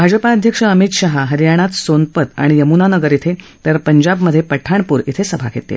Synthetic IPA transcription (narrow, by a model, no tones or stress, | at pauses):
bʱad͡ʑəpaəd̪ʱjəkʂəəmit̪ɕaɦaɦəɾijaɽ̃at̪sonpət̪a̰ɽ̃ijəmunanəɡəɾit̪ʰe | t̪əɾpəɲd͡ʑabməd̪ʱːjepəʈʰaɳ̃puːɾit̪ʰesəbʱa̰kʰḛt̪ḛ